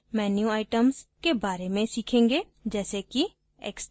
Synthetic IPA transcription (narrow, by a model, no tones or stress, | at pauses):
mɛːnjuːaːɪʈəmskebaːɾemẽsɪkʰẽːŋɡeː | d͡ʒɛːseːki | ɛ̰ːks